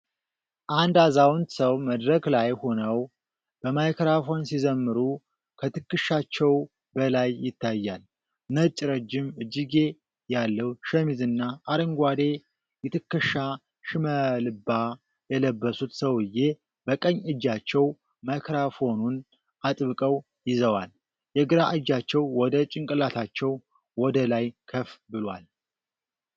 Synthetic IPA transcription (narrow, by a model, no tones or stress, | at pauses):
ʔand̪azawnt̪səwməd̪ɾəɡlajho̞nəw | b̥əmajkɾafo̞nsizəmːɨɾu | kʰət̪ʰɨkːɨʃat͡ʃːɛw | bəlajːɪt̪ːajːal | nət͡ʃʼɾəd͡ʒːɪmɨd͡ʒːiɡe̞ | jalːəwʃəmizɨnːaːɾəŋɡʷad̪e | jɪt̪ʰɨkːɨʃa | ʃɨməlɨba | jɛləbːəsut̪səwɨje̞ | bəkʼəɲːɨd͡ʒːat͡ʃːɛw | makʰɾafo̞nun | ʔat̪ʼβɨkʼəw | jɪzəwal | jɛɡɨɾaʔɨd͡ʒat͡ʃːɛwwɔd̪ət͡ʃʼɪŋkʼɨlat̪ʰat͡ʃːɛw | wɔd̪əlajkʰəfbɨlwal